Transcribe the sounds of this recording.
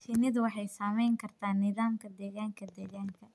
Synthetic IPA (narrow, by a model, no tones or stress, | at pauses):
ʃɪnɪd̪wɑħɑjsaːmɛjŋkʰɐrt̪ʰaːnːɪðaːmkʰɐd̪ɛːɣaːŋkʰɐd̪ɛːɣaːŋkʰɐ